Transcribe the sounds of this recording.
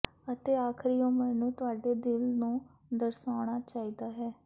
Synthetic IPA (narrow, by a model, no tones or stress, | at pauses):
ət̪eːaːkʰɾiːõːmɛːnũːt̪ʊaːɖeːd̪ɪlnũː | d̪əɾsaːɽ̃aːt͡ʃaːiːd̪aːɦɛː